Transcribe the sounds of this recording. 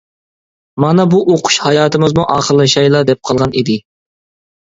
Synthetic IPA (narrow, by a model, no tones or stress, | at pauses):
mɑnɑbuʔoqʰʊ̥ʃhɑjɑːt̪ʰɨmɨzmuʔɑːχəɾlˠɨʃɑjlˠɑd̪ɛp̚qʰɑlˠʁɑnid̪ɪ